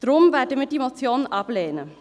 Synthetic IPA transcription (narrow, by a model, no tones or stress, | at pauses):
d̥ʁʊmvɛːɐdəviːɐdiːmot͡sjoːnʔɑpleːnə